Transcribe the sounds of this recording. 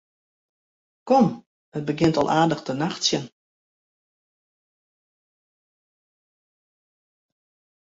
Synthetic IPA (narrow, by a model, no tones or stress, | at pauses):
kɔm | hət̚bəɡɪntɔlˠʔaːdəxtənaxtsjən